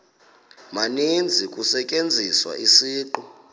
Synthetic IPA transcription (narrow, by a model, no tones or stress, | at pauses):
manind͡zʱikʼusɛkʼend͡zʱiswa̰ʔisiːǃɔ